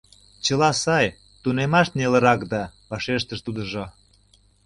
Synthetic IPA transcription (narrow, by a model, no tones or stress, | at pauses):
t͡ɕəlɑsɑj | t̪unemɑʃt̪nelə̆ɾɑkd̪ɑβɑʃeʃt̪əʃt̪ud̪ə̆ʒo